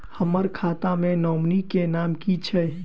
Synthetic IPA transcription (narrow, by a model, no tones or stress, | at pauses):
həməɾkʰat̪amẽnɔmnikenamkit͡ʃʰɛ